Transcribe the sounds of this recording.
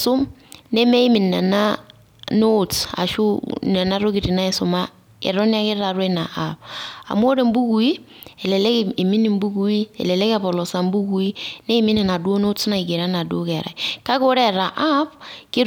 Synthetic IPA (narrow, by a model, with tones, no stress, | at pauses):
sʊ˦mnɛ˦mɛ˦i˦mi˨nːa˨na˦ | no˦ta̰˨ʃu˦nɛ˨na˦ɾo˦ki˨ɾi˨na˦ɛ˨sʊ˨ma˦ | ɛ̰˨ɾɔ˦ni˦a˦kɪ˦ɾa˨ɾwe˦na˨ʔapa̰˨mo˦ɾe˨m˦bu˦ku˨i˦ | ɛ˨lɛ˨lɛ˦ki˨mi˦ni˨mbu˦ku˦i˦ɛ̰˨lɛ˨lɛ˦ka˨pɔ˨lɔ˨sa˨mbu˦ku˨˦i˦nɛ˦i˦mi˦nɛ˨na˨du˦o˦no˦sna˨ɪ˨ke˨ɾa˦na˨do˦kɛ˨ɾa̰˨i˨ka˦ko˦ɾɛ˦˨ɾa˨ʔa˦pkɪ˦